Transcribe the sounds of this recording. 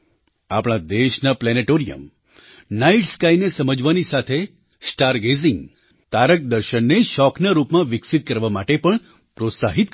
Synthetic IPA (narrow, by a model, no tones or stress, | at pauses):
a̰pɽ̃ad̪eʃnaplɛneʈoɾijə̰m | naiʈskajnesəməd͡ʒʋanisat̪ʰe | sʈaɾɡeziŋɡ | t̪aɾək̚d̪əɾʃənːeʃɔknaɾupmãʋɪksit̪̚kəɾʋamaʈepəɳ | pɾot̪saɦit̪̚